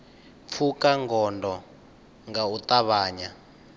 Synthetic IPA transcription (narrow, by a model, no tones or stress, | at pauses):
p̪fʰukaŋɡɔndɔ | ŋɡaut̪aβaːɲa